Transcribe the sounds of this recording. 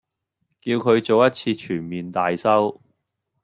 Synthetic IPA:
kiː˧wkʰɵ˨˧ɥt͡so˨wjɐ˥t̚t͡sʰiː˧t͡ʃʰyː˨˩nmiː˨nt̪aː˨jsɐ˥w

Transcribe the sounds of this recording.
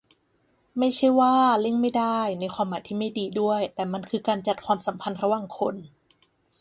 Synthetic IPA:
ma˥˩jt͡ɕʰa˥˩jwaː˥˩le˥˩ŋma˥˩jda˥˩jna˧jkʰwaː˧mːaː˨˦jt̪ʰiː˥˩ma˥˩jdiː˧du˥˩əjt̪ɛː˨˩ma˧nkʰɯː˧kaː˧nt͡ɕa˨˩t̪̚kʰwaː˧msa˩˦mpʰa˧nɾa˧waː˨˩ŋkʰo˧n

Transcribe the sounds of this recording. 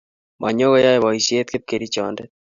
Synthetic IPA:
mʔa˨ɲo˦ɣɔ˦ja˦eβɔ˨i˨se˦t̪̚ke˦p̚ke˨ɾit͡ʃɔndɛ

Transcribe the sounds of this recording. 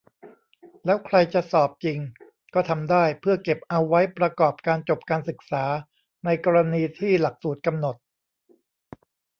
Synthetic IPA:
lɛː˦˥wkʰɾa˧jt͡ɕa˨˩ʔsɔː˨˩p̚t͡ɕi˧ŋ | kɔː˥˩t̪ʰa˧mdaː˥˩jpʰɯ˥˩ɐke˨˩p̚ʔa˧wːa˦˥jpɾa˧kɔː˨˩p̚kaː˧nt͡ɕo˨˩p̚kaː˧nsɯ˨˩k̚saː˩˦ | na˧jkɔː˧ɾa˧niː˧t̪ʰiː˥˩la˨˩k̚suː˨˩t̪̚ka˧mno˨˩t̪̚

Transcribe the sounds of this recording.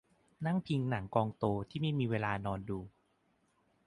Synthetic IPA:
na˥˩ŋpʰi˧ŋna˩˦ŋkɔː˧ŋt̪oː˧t̪ʰiː˥˩ma˥˩jmiː˧weː˧laː˧nɔː˧nduː˧

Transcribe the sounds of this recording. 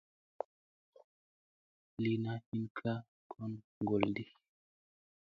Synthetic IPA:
li˨na˦hi˦nkʰa˦ | kʰɔ˦n | ŋɡo˨ldi˨

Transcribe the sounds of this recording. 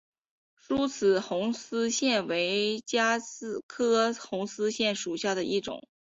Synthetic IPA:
ʂu˥t͡sʰɹ̩˨˩xʊ˧˥ŋsɹ̩˥ɕjɛ˥˩nwe˧˥ɪt͡ɕja˥sɹ̩˥˩kʰɤ˥xʊ˧˥ŋsɹ̩˥ɕjɛ˥˩nʂu˨˩ɕja˥˩d̪ə˩ʔi˥˩ʈ͡ʂʊ̰˨˩˦ŋ

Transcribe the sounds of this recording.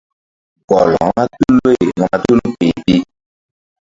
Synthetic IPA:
ɡɔ˨lɔ̰˨˦ma˦t̪u˦lo˦e˨ŋɔ̃˨mã˨t̪u˦lu˦pe˨ti˦

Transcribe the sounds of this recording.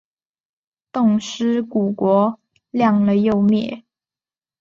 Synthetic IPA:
t̪ʊ˥˩ŋʂɻ̩˥ku˨˩kwɔ˧˥ | ljɑ˥˩ŋlə˨jo˥˧ʊmjɛ˥˩

